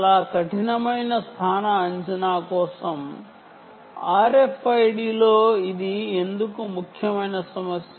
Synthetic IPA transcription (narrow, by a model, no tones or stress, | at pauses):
laːkɐʈinɐmɐjnɐst̪ʰaːnɐːɲt͡ʃinaːkɔːsɐm | aːɾepʰɐjɖiːloːid̪ie̞nd̪ukumukʰjɐmɐjnɐsɐmɐsj